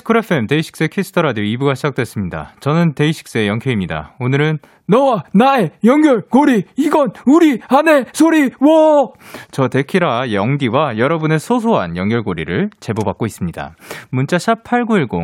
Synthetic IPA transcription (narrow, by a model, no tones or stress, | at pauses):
sʰɯ̥kʰɯɾapʰemte̞iɕʰi̥k̚s͈e̞kʰesʰɯ̥tʰʌɾadjoibuɡaɕʰid͡ʑak̚t͈we̞s͈ɯmɲida̰t͡ɕʌnɯnte̞iɕʰi̥k̚s͈ejʌŋkʰeimɲida̰onɯɾɯn | nʌwanaejʌŋɡjʌɭkoɾiiɡʌnuɾiane̞sʰoɾiwʌ | t͡ɕʌte̞kʰiɾajʌŋɡiwajʌɾʌbune̞sʰos̬ʰoɦa̰njʌŋɡjʌɭɡoɾiɾɯɭt͡ɕe̞bobak̚k͈ois͈ɯmɲida̰munt͡ɕ͈aɕʰapʰaɭɡuiɭɡo̰